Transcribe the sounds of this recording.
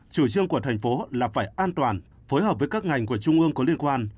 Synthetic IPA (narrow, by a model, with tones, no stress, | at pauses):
t͡ɕu˧˩t͡ɕɨ˧əŋku˧˩ət̪ʰɛ˨˩ŋ̟fo˨˦laː˨˩faː˧˩jʔaː˧nt̪waː˨˩n | fo˨˦jɦəː˨˩p̚vəː˨˦jkaː˦˥k̚ŋa˨˩jŋ̟ku˧˩ət͡ɕʊ˧ŋ͡mʔɨ˧əŋkɔ˨˦li˧ənkwaː˧n